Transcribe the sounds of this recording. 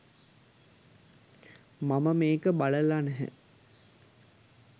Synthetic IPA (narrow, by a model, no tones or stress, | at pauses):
maməmeːkəbaləlanɛɦɛ̰